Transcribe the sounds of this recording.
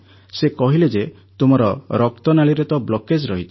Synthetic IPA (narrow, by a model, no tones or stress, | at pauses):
sekɔɦiled͡ʒe | t̪umɔɾɔɾɔk̚t̪ɔnaɭiɾet̪ɔblɔked͡ʒɾɔɦit͡ʃʰɔ̥